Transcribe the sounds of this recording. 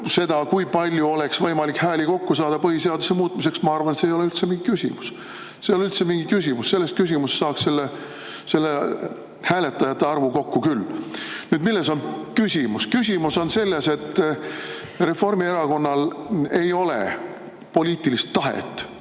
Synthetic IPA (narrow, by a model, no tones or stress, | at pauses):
se̞d̪̥ɑkujpɑlʲjuo̞le̞ksvɤjmɑlikhæːliko̞kːusɑːd̪ɑpɤɦiseɑd̪usemuːt̪ːˑmise̞ksmɑɑrvɑnet̪sejo̞le̞ylt̪semiŋɡikysʲḭmus | sejolylt̪semiŋɡ̥ikys̬ʲimusːe̞lːest̪̚kys̬ʲimussɑːksse̞lːe | se̞lːe | hæːlet̪ːˑɑjɑt̪ːeɑrvuko̞kːukylːnyːd̪milːeso̞nkysʲimuskys̬ʲimuso̞nse̞lːe̞se̞t̪ːˑ | re̞fo̞rmie̞ɾɑko̞nːɑle̞jo̞lḛ | po̞liːt̪ˑilist̪ːɑɦḛt̪ːˑ